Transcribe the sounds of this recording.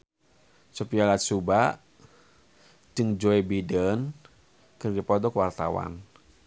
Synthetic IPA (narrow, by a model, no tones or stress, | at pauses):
supialat̪suba | d͡ʒɨŋd͡ʒɔɛbidən | kɨrdipɔdɔkwart̪awa̰n